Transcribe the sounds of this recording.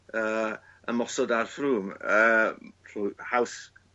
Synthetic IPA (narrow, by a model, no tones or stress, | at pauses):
əː | ə̰mɔsɔdarθruːməːruhaws